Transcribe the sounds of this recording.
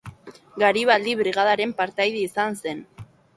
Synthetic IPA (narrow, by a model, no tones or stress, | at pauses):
ɡaɾiβald̪iβɾiɣað̞aɾe̞mpaɾt̪ajðeisanse̞n